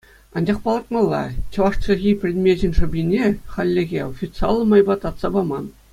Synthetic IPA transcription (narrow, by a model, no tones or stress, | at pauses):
ɑnd͡ʑɑχpɑlˠɑt̪mɑlˠːɑ̰t͡ɕɤ̆ʋɑʂt͡ɕĕɣʲijpʲrʲed̪ʲmʲeʑɘ̆nʲʂɤ̆bʲinʲeχɑlʲːeɣʲeofʲit̪sɨɑlˠːɤ̆mɑjbɑt̪ɑt̪sɑbɑmɑn